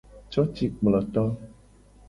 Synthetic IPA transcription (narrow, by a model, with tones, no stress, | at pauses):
t͡ʃɔ˦t͡ʃi˨k͡plɔ˨t̪ɔ˦